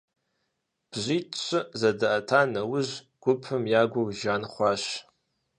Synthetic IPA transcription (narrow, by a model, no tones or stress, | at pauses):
b̥ʑʷiːtʰɕʰʷɨzɐdɨʔɐtʰaːnɐwʊʑ | ɡ̥ʷʊpʰɨmjaːɡʷʊwʒaːnχʷɑːʃ